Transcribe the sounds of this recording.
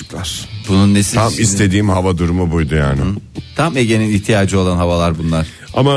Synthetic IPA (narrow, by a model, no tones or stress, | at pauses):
klˠaɾ̥bununːesiamist̪ʰe̞d̪iːmhavad̪uɾumubujd̪uja̰ːnɪt̪ʰameɟe̞niniçt̪ʰijaːd͡ʒɯo̞lˠanɦavalˠaɾbunlˠaɾ̥ | ama